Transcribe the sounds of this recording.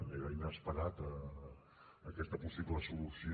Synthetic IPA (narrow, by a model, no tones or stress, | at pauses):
eɾainaspəɾat̪ə | kɛst̪ɐpusiβləsulusi